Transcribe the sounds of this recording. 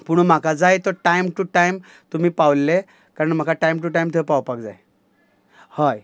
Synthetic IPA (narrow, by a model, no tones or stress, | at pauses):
puɳ̃um̤akad͡zajt̪əʈajmʈuʈajm | t̪um̤iːpawlːe | kaɾəɳm̤akʰaʈajmʈ̬uʈajmt̪ʰəpawpakd͡za̰j | haj